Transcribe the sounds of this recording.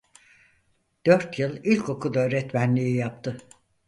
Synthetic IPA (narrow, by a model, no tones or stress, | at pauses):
d̪̥ø̞ɾt̪jɯlˠilʲkʰo̞kʰud̪aøːɾɛt̪mænlʲiijapt̪ʰɯ